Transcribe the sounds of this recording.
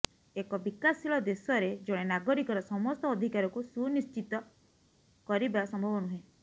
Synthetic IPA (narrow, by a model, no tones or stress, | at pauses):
ekɔbikasiɭɔd̪esɔɾed͡ʒoɽ̃enaɡɔɾikɔɾɔsɔmɔst̪ɔːd̪ʱikaɾɔkusunist͡ʃit̪ɔ | kɔɾibasɔmbʱɔbɔnuɦẽ